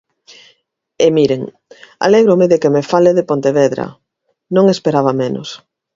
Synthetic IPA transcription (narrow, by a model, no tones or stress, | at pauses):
emiɾeŋ | a̰leɣɾomeðekemefaleðepont̪eβeðɾɐ̰ | nõŋespeɾaβɐmeno̰s